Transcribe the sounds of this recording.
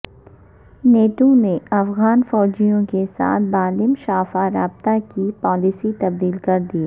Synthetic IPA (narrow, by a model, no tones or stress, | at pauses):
neːʈoneɐfɣaːnfɔːd͡ʒijõkesa̰ːt̪̚ʰbaːlɪmʃaːfaɾaːbt̪akipɔːlisit̪ɐb̚d̪iːlkɐɾd̪iː